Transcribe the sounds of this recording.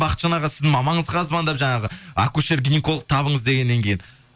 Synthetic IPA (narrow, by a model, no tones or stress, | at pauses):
bɑqət̪ʃɑnɑʁɑsɪzd̪ɪŋmɑmɑɴəzʁɑːzbɑnd̪ɑpʒɑɴɑʁəa̰kuʃeɾɡʲinʲekolˠq̚t̪ʰɑβəɴəzd̪e̞ɡʲe̞nːe̞ŋkʲʰe̞jɪn